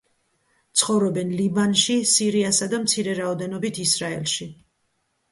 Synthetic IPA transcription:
t̪sʰχɔvɾɔbɛnlibanʃisiɾiasad̪amt̪sʰiɾɛɾaɔd̪ɛnɔbit̪ʰisɾaɛ̰lʃi

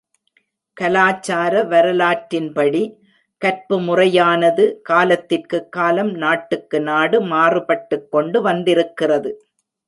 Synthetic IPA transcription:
kɐlaːt͡ʃːaːɾɐʋɐɾɐlaːʈɾɪnpɐɽi | kɐrpɯmʊrɐjaːnɐðɯkaːlɐt̪ːɪrkɯkːaːlɐmnaːʈːɯkːɯnaːɽɯmaːrɯpɐʈːɯkːɔɳɖɯʋɐnd̪ɪɾɯkːɪrɐðɯ

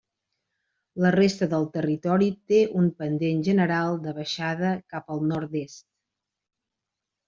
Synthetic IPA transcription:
lərest̪əðəlˠt̪ərit̪ɔɾit̪eʔumpənd̪enʒənəɾalˠd̪əβəʃaðəkapəlˠnɔɾt̪est̪

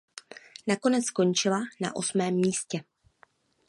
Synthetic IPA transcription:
nako̞nɛt͡sko̞nt͡ʃɪlana̰ʔo̞smɛːmːiːscɛ

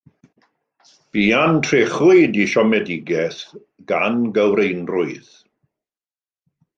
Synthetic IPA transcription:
b̥iːantʰreχʊɨdiʃɔmɛdɪɡɛθ | ɡ̥anɡəwɾejnrʊɨð

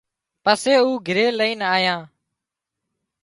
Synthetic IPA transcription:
pəseːuːɡʱɪɾeːləiːnaːjãː

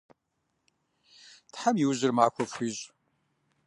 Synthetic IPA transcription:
tħamjɪwʑɪrmaːxʷɔfʷiʑʼ

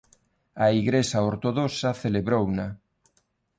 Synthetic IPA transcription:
aiɣɾesaoɾt̪oðosaθeleβɾowna

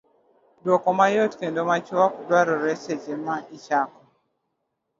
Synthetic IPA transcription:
dɔkɔmajotkɛndɔmat͡ʃuwakudwaɾɔɾɛsɛd͡ʒɛmaʔit͡ʃakɔ

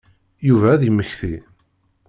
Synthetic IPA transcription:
juvæːðəmːəçθi

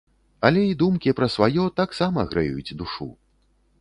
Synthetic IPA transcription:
ɐlʲɛid̪umkʲipɾɐsvajɔt̪aksamɐɣɾɨ̰jṵjut͡sʲd̪uʂṵ

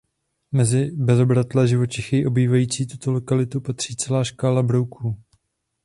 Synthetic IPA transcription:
mɛzɪbɛzo̞bɾat̪lɛʒɪvo̞t͡ʃɪxɪʔo̞biːvajiːt͡siːt̪ut̪o̞lo̞kalɪt̪upat̪r̝̥iːt͡sɛlaːʃkaːlabɾowkʰuː

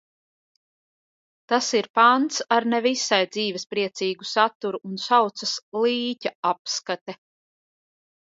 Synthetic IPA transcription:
t̪asiɾpant̪saɾnevisajd̪ziːvɛspɾiɛt̪siːɡusat̪ːuɾuʔːnsawt̪sɐslˠiːcaapskat̪ɛ

